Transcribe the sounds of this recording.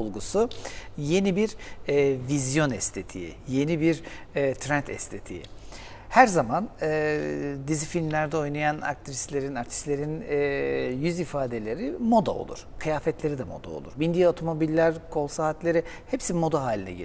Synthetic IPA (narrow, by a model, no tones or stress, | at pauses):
olˠɡusuje̞nibiɾ | vizjo̞nɛst̪ʰe̞t̪ʰḭjḭje̞nibiɾːt̪ʰɾɛnt̪ʰɛ̰st̪ʰet̪ʰḭjḭ | hæɾzamanɯd̪izifilʲmlʲæɾd̪ɛo̞jnajana̰k̚t̪ʰɾislʲe̞ɾinaɾt̪ʰi̥slʲe̞ɾinː | jyzifaːd̪e̞lʲe̞ɾimo̞d̪a̰o̰lˠṵɾ̥kʰɯjaːfɛt̪ʰlʲe̞ɾid̪ɛmo̞̰d̪a̰o̞̰lˠuɾbind̪ijaot̪ʰo̞mo̞bilʲːæɾkʰo̞lˠsaɦat̪lʲe̞ɾi | hepsimo̞d̪aɦaːlʲinɛ̰ɟḛ